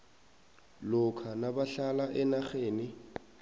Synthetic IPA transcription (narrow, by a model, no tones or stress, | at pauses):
lʊkʰanabaɬalaʔɛnaχeːnɪ